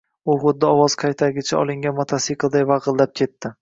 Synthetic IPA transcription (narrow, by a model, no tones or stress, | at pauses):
ʊχʊd̪̚ːaɒwɒz̥qʰɑjt̪ʰaɡʲɪt͡ʃʰaɒ̰lˠɪŋɡʲanmot̪ʰasiqlˠd̪ajvɑʁɨlˠlap̚kʲʰe̞t̪ʰːɪ